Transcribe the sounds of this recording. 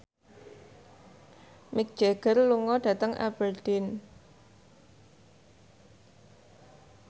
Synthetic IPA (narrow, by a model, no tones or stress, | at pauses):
mik̚d̥ʒ̥eɡ̥ərluŋɔɖ̥a̤t̪əŋʔa̰b̥ərd̪̥ɪn